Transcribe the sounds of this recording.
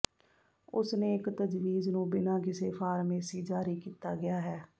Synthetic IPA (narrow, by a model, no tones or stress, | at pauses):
ʊsnẽːɪkt̪əd͡ʒʋiːznũːbɪnãːkɪseːpʰaːɾmẽːsiːd͡ʒaːɾiːkiːt̪aːɡɪjaːɦɛː